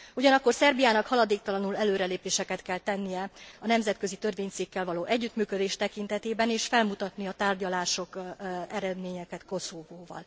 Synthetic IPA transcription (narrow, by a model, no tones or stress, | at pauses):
uɟɒnɒkːo̞rsɛrbijaːnɒkhɒlɒd̪eːk̚t̪ɒlɒnulɛløːɾɛleːpeːʃɛkɛt̪kɛlt̪ɛnːijɛɒnɛmzɛt̪kø̞zit̪ø̞rveːɲt̪sikːɛlvɒloːʔɛɟːyt̪myːkø̞d̪eːʃt̪ɛkint̪ɛt̪eːbɛneːʃfɛlmut̪ɒt̪niɒt̪aːrɟɒlaːʃo̞kɛɾɛd̪meːɲɛkɛt̪ko̞sovoːvɒ̰l